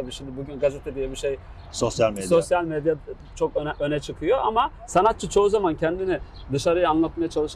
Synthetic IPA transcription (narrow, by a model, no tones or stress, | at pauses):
t̪abiːʃimd̪ɪbuɟynɡazɛt̪ʰed̪ijɛbiʃej | sosjalʲmesosjalʲmed̪ja | t͡ʃʰo̞køɛʔønɛt͡ʃʰɯkʰɯjo̞ʔama | sanat̪̚t͡ʃʰɯt͡ʃʰo̞uzamancʰɛnd̪inɪ | d̪ɯʃaɾɯjɯanlˠat̪majat͡ʃʰalˠɯʃ